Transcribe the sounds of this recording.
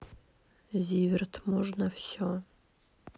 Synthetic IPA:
zʲivʲɪrt̪ʰmɔʐnəfsʲɔ

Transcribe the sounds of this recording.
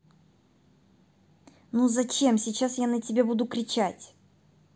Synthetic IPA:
nuzɐt͡ɕe̞msʲɪt͡ɕasjanətʲɪbʲebud̪ʊkɾʲɪt͡ɕatʲ

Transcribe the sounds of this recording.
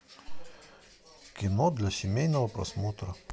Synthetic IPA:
kʲɪnod̪ʲlʲɐsʲɪmʲɛjnɐʋɐpɾɐ̰smoːt̪ɾɐ

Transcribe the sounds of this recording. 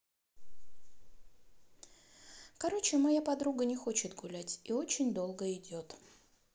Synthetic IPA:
kɐɾo̞t͡ɕɪmɐjapɐd̪ɾuɡənʲɪxo̞t͡ɕɪt̪ɡʊlʲætʲio̞t͡ɕɪnʲd̪o̞lˠɡəɪdʲo̞t̪

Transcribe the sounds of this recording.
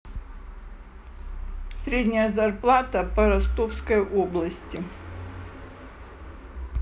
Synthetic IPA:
sʲɾʲedʲnʲəjəzɐrplˠat̪ɐpɐɾɐst̪ofskəjʔoblˠɐsʲtʲɪ

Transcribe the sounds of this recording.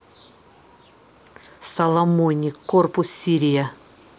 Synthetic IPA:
sɐlˠɐmonʲikːorpʊsːʲiɾʲija

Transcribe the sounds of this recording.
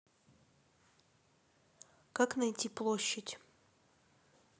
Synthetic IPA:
kaknɐjtʲiplˠoɕːɪtʲ

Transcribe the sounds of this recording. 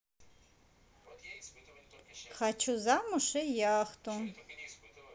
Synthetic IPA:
χat͡ʃʰuzamuʃɛjaːχt̪ʼun

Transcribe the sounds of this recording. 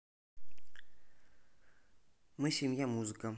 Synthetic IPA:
mɨsʲemʲjamuzɨkə

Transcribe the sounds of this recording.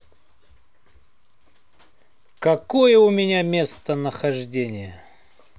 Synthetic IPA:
kɐkojəʊmʲɪnʲamʲe̞st̪ənəxɐʐdʲenʲɪjə

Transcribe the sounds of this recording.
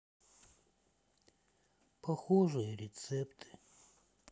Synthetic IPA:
pʰɐxoʐɨjəɾʲɪt̪sɛpt̪ʰɨ̥

